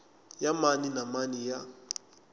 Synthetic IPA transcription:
jamaninamanija

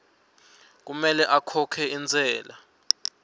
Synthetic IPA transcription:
k̬umɛlɛʔakʰɔkʰɛind͡zʱɛːla

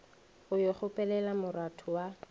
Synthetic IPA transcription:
ʊjoχʊpʼɛlɛlamʊratʰʊwa

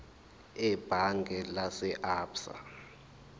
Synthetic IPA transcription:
ɛb̥ʱaŋɡʱɛlasɛʔaːpsa̰

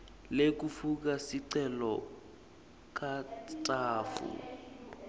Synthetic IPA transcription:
lek̬ufuk̬asiǀɛlɔ | k̬ʼatʼaːfṵ

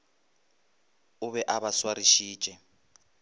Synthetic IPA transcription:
ʊβɛʔaβaswaɾiʃi̥ːt͡ʃʼɛ

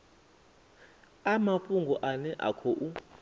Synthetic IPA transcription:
amafuŋɡɔʔanɛʔa̰kʰɔʔu

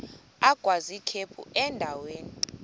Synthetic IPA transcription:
aɡ̥ʱwazikʰepʰṵʔɛndʱaweːni

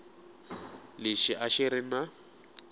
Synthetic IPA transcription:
lɪʃɪʔaʃɪɾɪna

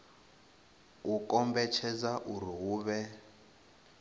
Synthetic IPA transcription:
ukɔmbɛt͡ʃʰɛd͡zaʔur̤iɣuːβɛ

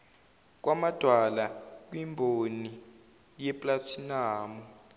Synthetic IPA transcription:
k̬wamad̥ʱwalak̬ʼwimbʱoni | jɛpʼlatʰinaːmɔ

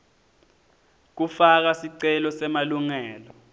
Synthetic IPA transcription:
k̬ufak̬asiǀɛlɔsɛmaluŋɛːlɔ

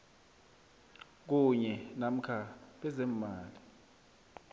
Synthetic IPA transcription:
k̬uɲɛnam̩kʰaɓɛzem̩maːli

